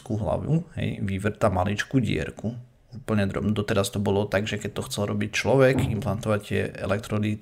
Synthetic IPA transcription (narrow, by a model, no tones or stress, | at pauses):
kuɦla̰ʋuɦɛ̰jʋiʋr̩t̪amalit͡ʃkuɟɪɛ̰ɾku | uːpl̩ɲɛd̪ɾɔ̰bnud̪ɔt̪ɛɾast̪ɔbɔlɔt̪aɡʒɛkɛc̚t̪ɔxt͡sɛlɾɔbict͡ʃlɔʋɛɡimplant̪ɔʋact̪ɪɛɛ̰lɛk̚t̪ɾɔd̪i